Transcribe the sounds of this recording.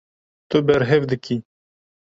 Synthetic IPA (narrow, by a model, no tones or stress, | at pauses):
t̪obeɾɦevd̪əkʰi